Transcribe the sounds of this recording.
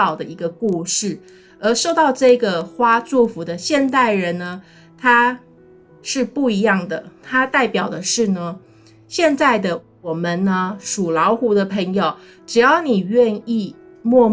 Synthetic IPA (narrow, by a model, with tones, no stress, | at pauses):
ɑ˨˩ʊd̪ə˩i˧˥ɡə˧ku˥˧ʂɻ̩˥˩ | ə˞˧˥ʂo˥˧ʊt̪ɑ˥˧ʊʈ͡ʂɤ˥˩ɡə˩xwa˥t͡su˥˩fu˧˥d̪ə˧ɕjɛ˥˧nt̪a˥˩ɪɻə˧˥nnə˧ | t̪ʰa˥ | ʂɻ̩˥˧pu˥˩i˧˥jɑ˥˩ŋd̪ə˩t̪ʰa˥t̪a˥˩ɪpjɑ˨˩ʊd̪ə˦ʂɻ̩˥˩nə˩ | ɕjɛ˥˧nt͡sa˥˩ɪd̪ə˩wɔ˨˩mə˨nːə˧ʂu˨˩lɑ˧˥ʊxu˧˥d̪ə˧pʰə˧˥ŋjo˨˩ʊ | ʈ͡ʂɻ̩˨˩jɑ˥˩ʊni˨˩ɥɛ˥˧ni˥˧ | mwɔ˥˧